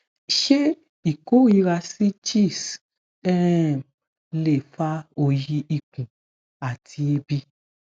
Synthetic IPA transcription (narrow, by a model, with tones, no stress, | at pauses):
ʃe˦ | i˦˨ko˨˦i˧ɾa˧si˦t͡ʃi˦˨s | ɛ˦˨ | le˨fa˦o˦˨ji˧ʔi˦˨kũ˨ | a˨tʰi˧e˧bi˦